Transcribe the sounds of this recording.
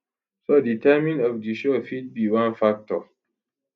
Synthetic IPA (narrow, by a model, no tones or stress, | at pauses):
sɔditɛmĩnɔvdiʃofit̚biwãnfak̚tɔ